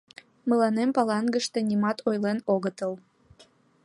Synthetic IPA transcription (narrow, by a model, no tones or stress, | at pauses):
mə̆lɑnempɑlɑŋɡəʃt̪ĕnimɑt̪ʰojlenoɣət̪əl